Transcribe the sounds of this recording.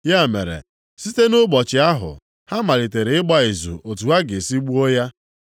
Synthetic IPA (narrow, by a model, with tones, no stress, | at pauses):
ja˦˨mḛ˨ɾḛ˨ | si˦te˦nʊ˦ɡ͡bɔ˨t͡ʃɪ˨a˦ɦʊ̰˨ | ha˦ma˨ɾi˨te˨ɾe˨ɪ˦ɡ͡ba˦i˨zṵ˨o˨tu˨a˦ɡe˨si˦ɡ͡bu˦o˦ja˦